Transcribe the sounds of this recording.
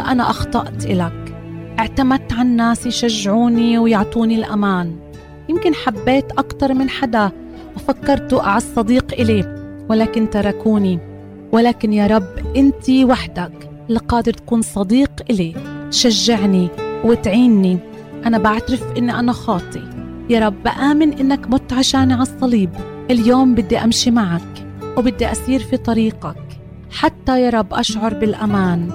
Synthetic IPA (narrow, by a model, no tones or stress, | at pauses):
ʔanaʔɑxt̪ˤɑʔt̪ʔɪlakʔɪʕt̪amad̪̚t̪ʕannːaːsjʃaʒːɪʕuːniwjʊʕt̪ˤuːnilʔamaːn | jɪmkɪnħabːeːt̪ʔakt̪ɑɾˤmɪnħad̪a | ʔafakːɑɾˤt̪uʔaʕasˤːɑd̪iːqʔɪli | wɪlaːkɪnt̪ɑɾˤɑkuːni | walaːkɪnjaːɾˤɑbːʔɪnt̪iwaħd̪ak | lqɑːd̪ɪɾt̪ḁkuːnsˤɑd̪iːqʔɪlet̪ʃaʒːɪʕniwɪt̪ʕiːnːi | ʔanabʔaʕt̪ɾɪfʔɪnːiʔanaxɑːt̪ˤi | jɑːɾˤɑbːʔaːmɪnʔɪnːakmʊt̪ːʕaʃaːnʕɑsˤːɑliːb | ʔɪljoːmbɪd̪ːiʔamʃimaʕak | wbɪd̪ːiʔasiːɾfit̪ˤɑɾiːqak | ħat̪ːajɑːɾˤɑbːʔa̰ʃʕʊɾˤbɪlʔamaːn